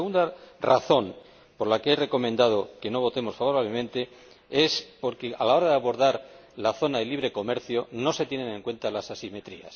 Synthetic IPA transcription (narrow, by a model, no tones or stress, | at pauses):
ɣund̪ara̰θo̞n | po̞ɾlakeere̞ko̞mend̪að̞o̞ke̞no̞βo̞t̪e̞mo̞sfaβo̞ɾaβle̞mẽ̞nt̪e̞ | e̞spo̞ɾke̞alao̞ɾaðeaβo̞ɾðaɾ | laθo̞naðe̞liβɾe̞ko̞me̞ɾθjo̞no̞se̞t̪je̞ne̞ne̞ŋkwe̞nt̪alasasime̞t̪ɾḭa̰s